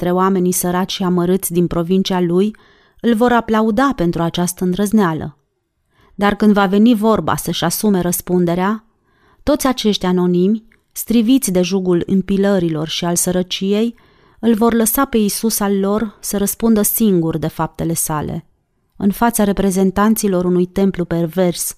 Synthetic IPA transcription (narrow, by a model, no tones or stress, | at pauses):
t̪ɾe̞oame̞nisəɾat͡ʃʲʃiaməɾɨt̪sʲd̪inpɾo̞vint͡ʃialuj | ɨlvo̞ɾaplaud̪ape̞nt̪ɾuat͡ʃast̪əɨnd̪ɾəznealə̰ | d̪arkɨnd̪vave̞nivo̞rba̰səʃasume̞ɾəspund̪e̞ɾea | t̪o̞t̪sʲat͡ʃe̞ʃt̪ʲano̞nimʲ | st̪ɾivit̪sʲd̪e̞ʒuɡulɨ̰mpiləɾilo̞rʃialsəɾət͡ʃije̞j | ɨlvo̞rləsape̞isusalːo̞rsəɾəspund̪əsiŋɡurd̪e̞fap̚t̪e̞le̞sale̞̰ | ɨnfat̪saɾe̞pɾe̞ze̞nt̪ant̪silo̞ɾunujt̪e̞mplupe̞rve̞rs